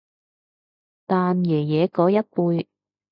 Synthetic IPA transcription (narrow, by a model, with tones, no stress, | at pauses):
t̪aː˨njɛː˨˩jɛː˨˧kɔː˨˧˥jɐ˥t̚puː˧j